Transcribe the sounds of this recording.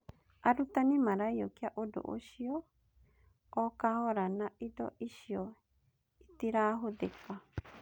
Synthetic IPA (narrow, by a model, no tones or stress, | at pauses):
aɾut̪anĩmãɾajjokiaʔodo̰ʔo̰ʃio | okahoɾanaʔido̰ʔiʃio | it̪iɾaɦoðeka